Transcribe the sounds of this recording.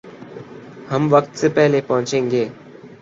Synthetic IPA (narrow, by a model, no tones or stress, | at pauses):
həmʋəkt̪seːpɛɦleːpəɦʊ̃t͡ʃẽːŋɡeː